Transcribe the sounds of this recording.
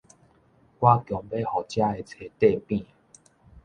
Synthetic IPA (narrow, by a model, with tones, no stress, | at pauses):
kwa˦kjɔ˨˩ŋbe˦hɔ˨t͡ɕja˦e˨˩t͡sʰe˨˩t̪e˥˧˨pĩ˥˨